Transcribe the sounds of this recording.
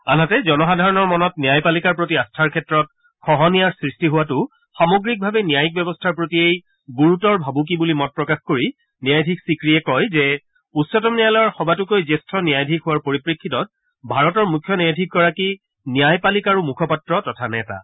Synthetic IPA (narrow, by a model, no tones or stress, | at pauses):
anatɛzɔnɔxadʱaɹɔnɔɹmɔnɔtnijajpalikaɹpɹotiastʰaɹkʰɛtɹɔt̚ | kʰɔɦɔnijaɹsɹistiɦʊwatʊ | xamoɡɹik̚bʱabɛnijajik̚bɛbɔstʰaɹpɹotiej | ɡuɹutɔɹbʱabuk̬ibulimɔt̚pɹɔkaxkoɹi | nijajdʱiksikɹiɛkɔjzɛ | usɔtɔmnijalɔjɔɹxɔbatʊkojzestʰɔnijajdʱikɦʊwaɹpoɹipɹikʰːitɔt̚ | bʱaɹɔtɔɹmukʰːjɔnɛjadʱik̚ɡɔɹaki | nijajpalikaɹumukʰɔpatɹɔtɔtʰanɛta̰